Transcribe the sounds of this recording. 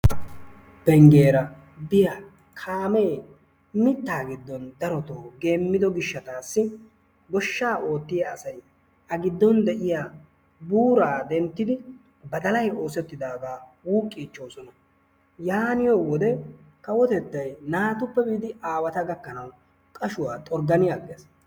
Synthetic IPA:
bɛŋɡe̞ːɾɐ | bɪjaː | kʰaːmeː | mɪt̪ːaːɡɪd̪ːɔnd̪ɐɾɔt̪oːɡe̞ːmːɪd̪ɔɡɪʃːɐt̪aːsːɪ | ɡɔʃːaːʔo̞ːt̪ːɪjɐ̰ːsɐj | ʔɐɡɪd̪ːɔnd̪ɛʔɪjaː | buːɾaːd̪ɛnt̪ːɪd̪ɪ | bɐd̪ɐlɐjo̞ːsɛt̪ːɪd̪aːɡ̪aːwuːkʼːiːt͡ʃːo̞ːsɔnɐ | jaːnɪjoːwɔd̪ɛ | kɐwɔt̪ɛt̪ːɐjnaːt̪ʊpːɛbiːd̪ɪʔaːwɐt̪ɐɡɐkːɐnɐw | kʼɐʃʊwaːt̪ʼɔɾɡɐnɪjaɡɛs

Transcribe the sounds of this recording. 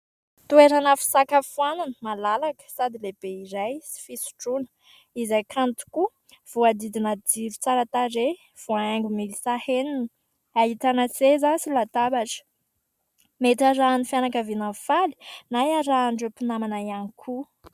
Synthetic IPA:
t̪ueɾanəfi̥sakafuananəmalalakə̥sad̪ileb̥eiɾajsi̥fisu̥ʈ͡ʂunə̥ | izajkʰant̪u̥ku | v̥uad̪id̪inəd̪iɾut͡saɾat̪aɾe | v̥oaaŋɡumilisahenini | ait̪anat͡sezasilat̪abaʈ͡ʂə̥ | met̪aɾaːnifjanakəvinafali̥najaɾaːɳɖ͡ʐepinamanaianikʰu

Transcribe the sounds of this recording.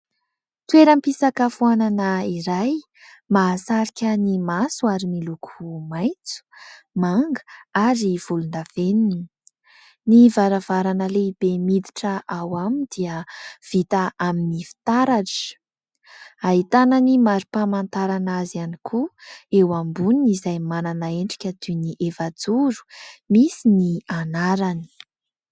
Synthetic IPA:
t̪weɾəmpisakafuananaiɾaj | masaɾikʲənimasuaɾimilukʰumajt͡su̥ | maŋɡə̥aɾiv̥ulund̪av̥enini̥ | nivaɾavaɾanəleib̥emid̪iʈ͡ʂəʔawamind̪̥iəv̥it̪aʔaminifi̥t̪aɾaʈ͡ʂə̥ | aɦit̪ananimaɾipamant̪aɾanazanikʰuewambuniizajmananaeɳɖ͡ʐi̥kʲəd̪uniʔevad͡zuɾu̥misinianaɾani̥

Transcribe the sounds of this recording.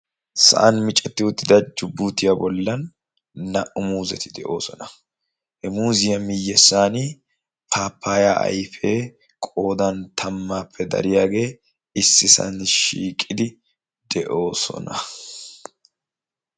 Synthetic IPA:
sɐ̰ʔɐnmɪt͡ʃʼːɛt̪ːɪʊt̪ːɪd̪ɐd͡ʒʊbːuːt̪ɪjɐbɔlːɐnː | ɐʔʊmuːzɛt̪ɪd̪ɛʔo̞ːsɔnɐ | hɛmuːzɪjɐmɪjːɛsːaːnɪ | pʰaːpʰːaːjaʔɐ̰jfeː | kʼo̞ːd̪ɐnt̪ʰɐmːaːpʰːɛd̪ɐ̰ɾɪjaːɡe̞ː | ɪsːɪsɐ̰nʃiːkʼːɪd̪ɪ | d̪̥ɛʔo̞ːsɔ̰nɐ

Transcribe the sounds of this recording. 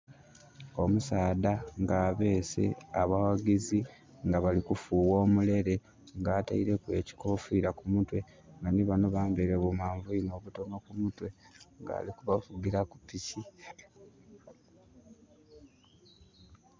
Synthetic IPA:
o̞musaːd̪aŋɡaːβe̞ːse̞̰aβawaɡizi | ŋɡaβalikufuːwo̞ːmule̞ɾe̞ | ŋɡaːta̰iɾe̞kwe̞ci̥ko̞ːfiːɾakumutwe̞ | ŋɡaniβano̞βaːmbeɾeβumaːɱvuino̞ːβuto̞no̞kumutwe̞ŋɡa̰ːlikuβafuɡiɾakupːici

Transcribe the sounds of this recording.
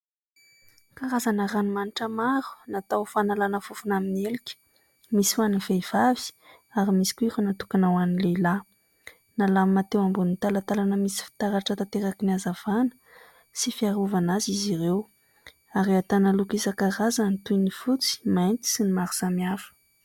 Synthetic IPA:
kaɾazanaɾanimaniʈ͡ʂəmaɾu̥nat̪awfanalanəfufunaminielikʲə̥ | misifaniv̥ejv̥avi̥ | aɾimisi̥kuiɾunat̪ukanawanileila | nalammat̪ewambunit̪alat̪alanəmisi̥fi̥t̪aɾaʈ͡ʂət̪at̪eɾakiniazav̥anə̥ | sifiaɾuvanaziziɾew | aɾiat̪analukizəkaɾazanit̪ujnifut͡si̥majnt̪i̥sinimaɾusamiafə̥

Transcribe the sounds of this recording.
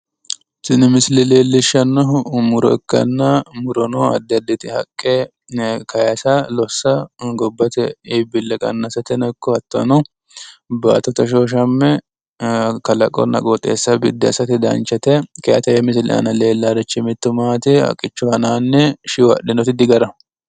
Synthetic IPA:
sɪnɪmɪslɪleːlːɪʃːɐnːɔɦmʊɾɔ̰ɛkːɐ̰nːɐmʊɾɔnoɐ̰d̪ːɐd̪ːɛt̪ɪhɐ̰kʼːe | kɐjɐsɐlɔsːɐɡɔbːɐt̪ɛɪbɪlːɛkʼɐ̰nːasɐt̪ɛnɔkːɔhɐt̪ːɔ̰nɔ | ba̰ːt̪ːɔt̪ɐʃ̬oːʃ̬ɐmːɛ | kɐlɐ̰kʼɔ̰nːɐ̰kʼɔt̪ʼːḛːsːɐbɪ̰d̪ːɪɐsɐt̪ɪd̪ɐ̰nt͡ʃɐt̪ɛkɐjɐt̪ɐjɛmɪslɪ̰ɐ̰nɐle̞ːlːaɾɛt͡ʃːɪmɪt̪ːʊmaːt̪ɪɐ̰kʼːɪt͡ʃːʊhɐnaːnːɛʃɪwɐ̰ɗɪnɔt̪ɪd̪ɪɡɐɾɐ

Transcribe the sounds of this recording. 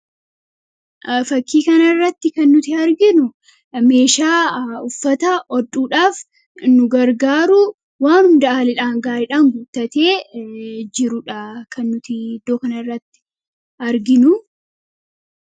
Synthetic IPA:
fɐkːiːkɐnɐrːɐt̪ːɪkɐnːʊt̪ɪɐɾɡɪnʊ | me̞ːʃaːʊfːɐt̪ɐʔɔdʼuːᶑaːf | nʊɡɐɾɡaːɾʊ | waːnhʊnd̪ɐaːlɪᶑaːŋɡaːɾɪᶑaːŋɡʊt̪ːɐt̪eː | d͡ʒɪɾʊᶑɐkʰɐnːʊt̪ɪd̪oːkɐnɐrːɐt̪ːɪ̥ | ɐɾɡɪnʊ

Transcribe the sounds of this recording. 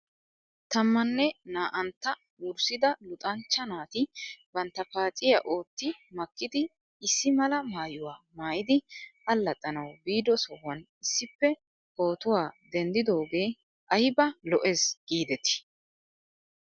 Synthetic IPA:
t̪ɐmːɐnːɛnaːʔɐnt̪ːɐ | wʊɾsɪd̪ɐlʊt̪ʼɐnt͡ʃːɐnaːt̪ɪbɐnt̪ːɐfaːt͡sʼɪjɐʔo̞ːt̪ːɪmɐkːɪd̪ɪː | sːɪmɐlɐmaːjʊwaːmaːjɪd̪ɪɐlːɐt̪ʼːɐnɐwbiːd̪ɔsɔwɐn | ɪsːɪpːɛ | o̞ːt̪ʊwaːd̪ɛnd̪ɪd̪o̞ːɡe̞ː | ʔɐjbɐlɔʔe̞ːsɡ̥iːd̪ɛt̪ɪ̥

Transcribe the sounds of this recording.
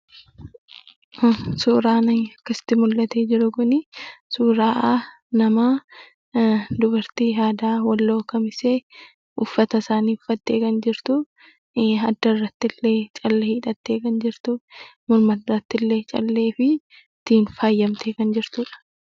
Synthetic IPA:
suːɾaːnɐɐkːɐsɪ̥t̪ːɪmʊlːɐt̪eːd͡ʒɪɾʊkʊnɪsuːɾaːʔa | nɐmaː | d̪ʊbɐɾt̪iːɦaːd̪aːwɐlːo̞ːkɐmɪseː | ʊfːɐt̪ɐsaːniːʊfːɐt̪ːeːkɐnd͡ʒɪɾt̪ʊ | ɐd̪ːɐrːɐt̪ːɪlːeːt͡ʃʼɐlːehiːᶑɐt̪ːe̞ːkɐnd͡ʒɪɾt̪ʊmʊɾmɐt̪rːɐt̪ːɪlːeːt͡ʃʼɐlːe̞ːfɪ | t̪ːiːnfaːjːɐmt̪ʰeːkɐnd͡ʒɪɾt̪uːᶑɐ̥

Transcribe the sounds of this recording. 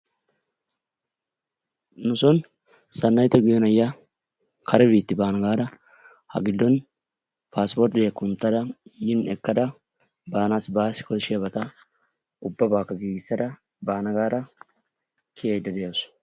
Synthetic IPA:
nʊsɔn | sɐnːɐjt̪ɔɡɪjɔnɐjːa | kʰɐɾɛbiːt̪ːɪbaːnɐɡaːɾɐ | hɐ̰ɡɪd̪ːɔn | pʰaːspoɾt̪ejɐkːʊnt̪ːɐd̪ɐjɪnɛkːɐd̪ɐ | baːnaːsbaːsɪ̥kɔɪʃɪjɐbɐt̪ɐ | ʊbːɐbaːkːɐɡiːɡɪsːɐd̪ɐ | baːnɐɡaːɾɐ | kʰɪjɐjd̪ːɛd̪ɛjɐws

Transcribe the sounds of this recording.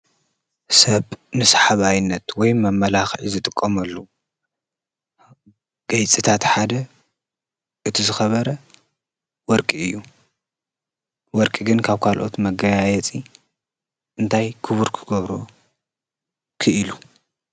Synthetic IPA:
sɐβnɨsħaβajnːɐt̪wɔjmɐmːɐlaxʕizɨt̪ʼɨkʼːɐmɐlːo | ɡ̥ɐjt͡sʼit̪ʰat̪ħad̪ɐ | ʔɨt̪ʰizɨxɐβɐɾɐ | wɔɾkʼiɨjːu | wɔɾkʼiɡɨnkʰaβkʰalʔo̞̰t̪mɐɡɐjajɛt͡sʼi | ʔɨnt̪ʰajkʰɨβuɾkʰɨɡɐβɾo | kʰɨʔɨlu

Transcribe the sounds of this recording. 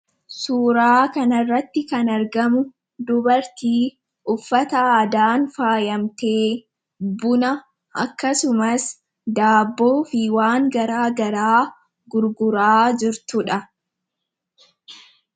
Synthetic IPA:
suːɾaːkɐnɐrːɐt̪ːɪkɐnɐɾɡɐmʊ | d̪ʊbɐɾt̪iː | ʔʊfːɐt̪ɐaːd̪aːnfaːjɐmt̪eː | bʊnɐ | ʔɐ̰kːɐsʊmɐs | d̪aːbːoːfɪwaːŋɡɐɾaːɡɐɾaː | ɡʊɾɡʊɾaːd͡ʒɪɾt̪ʊᶑɐ

